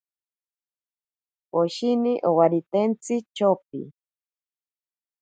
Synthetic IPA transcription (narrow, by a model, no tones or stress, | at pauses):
poʃiniʔowaɾit̪ent͡sɨt͡ʃop̚ḭ